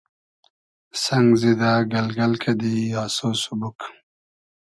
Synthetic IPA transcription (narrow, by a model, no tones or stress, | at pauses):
sɐŋɡzid̪aːɡɐlɡɐlkʰɐd̪iaːsosubuk